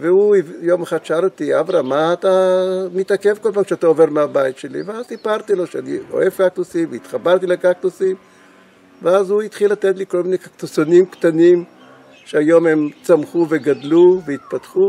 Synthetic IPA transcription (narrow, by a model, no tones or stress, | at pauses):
veuivjomaχad̪ʃaaɾot̪iavɾamaːt̪amit̪ake̞vko̞lpamkʃeat̪aoveʁmeabajit̪ʃelḭveazsipaʁt̪ilo̞ʃeanḭo̰evkak̚t̪usimveit̪χabaʁt̪ilekak̚t̪usim | veazhuit̪χilːat̪et̪liko̞lminejkakt̪usonimkt̪anim | ʃeajo̞mhemt͡samχuveɡadluveit̪̚pat̪χu